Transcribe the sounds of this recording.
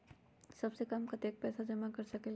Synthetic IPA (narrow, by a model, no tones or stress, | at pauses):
sɐbsekɐmkɐt̪eːk̚pɛːsad͡ʒɐmakɐɾsɐkel